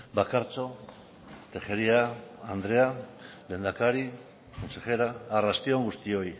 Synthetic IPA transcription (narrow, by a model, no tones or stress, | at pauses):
bakaɾt͡so̞ | t̪e̞xeɾiaand̪ɾe̞a | le̞ːnd̪akaɾi | konsexe̞ɾaːrast̪ioŋɡust̪io̞j